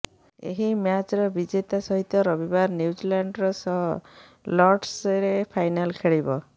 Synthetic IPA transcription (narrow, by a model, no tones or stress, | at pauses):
ḛɦimjat͡ʃɾɔbid͡ʒet̪asɔɦit̪ɔɾɔbibaɾnjud͡ʒilaɳɖɾɔsɔɦɔ | lɔɾɖsɾepʰajnalkʰeɭibɔ